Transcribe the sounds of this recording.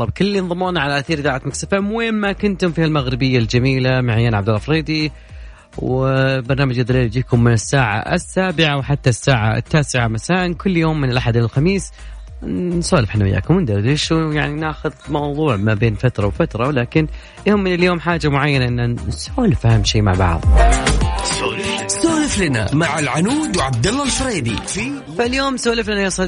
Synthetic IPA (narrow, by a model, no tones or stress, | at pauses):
ɑb̚kʊlːinðˤɨmːuːnaʕalaʔθiːɾðaːʕat̪maksafamweːnmakʊnt̪ʊmfiːhalmaɣɾɪbɪjːald͡ʒamiːlamaʕajːanʕabd̪alːafɾeːd̪i | wbɑɾˤnaːmad͡ʒɪðːaliːld͡ʒiːkʊmːɪnɪsːaːʕa̰ʔɪ̰sːaːbɪʕawħat̪ːasːaːʕa̰t̪ːaːsɪʕamasaːʔnkʊlːjoːmːɪnɪlʔaħad̪ɪlxamiːs | soːlɪfħanːɪ̰jːa̰ːkʊmwɪnd̪adɪʃujaʕninaːxʊðmɑwðˤuːʕmabeːnfat̪ɾˤɑwfat̪ɾˤɑwlaːkɪn | jʊmːɪnɪljoːmħaːd͡ʒamʊʕajːanaʔɪnːasoːlɪfʔahamːʃiːma̰ʕbɑ̰ʕðˤ | soːlɪflana̰maʕalʕanuːd̪wʕab̚d̪alːɑlfɾiːd̪i | faljoːmsoːlɪflanajasˤɑ